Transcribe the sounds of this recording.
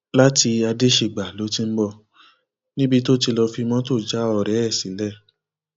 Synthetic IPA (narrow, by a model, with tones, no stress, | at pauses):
la˦ti˧a˧de˦ʃe˨ɡ͡ba˨lo˨˦tĩ˧m̩˦bɔ˧˨ | nĩ˦bi˧to˦˨t̬i˧lɔ˧fi˧mɔ̃˦to˦˨d͡ʒa˦ɔ˧˨ɾɛ˨˦ɛ˦˨si˨˦lɛ˦˨